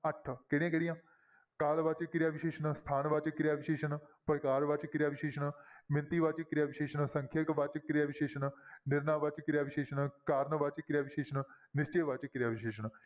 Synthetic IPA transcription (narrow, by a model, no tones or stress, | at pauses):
əʈʰːkɪɽẽːkɛɽijãː | kaːlʋat͡ʃkɪɾɪjaːʋɪʃeːʃənst̪ʰaːnʋat͡ʃkɪɾɪjaːʋɪʃeːʃənpəɾkaːɾʋat͡ʃkɪɾɪjaːʋɪʃeːʃənmɪnt̪iːʋaːt͡ʃkɪɾjaːʋɪʃeːʃənsəŋkʰjəkʋat͡ʃkɪɾɪjaːʋɪʃeːʃənnɪɾnaːʋat͡ʃkɪɾjaːʋɪʃeːʃənkaːɾənʋat͡ʃkɪɾjaːʋɪʃeːʃən | nɪst͡ʃeːʋat͡ʃkɪɾjaːʋɪʃeːʃən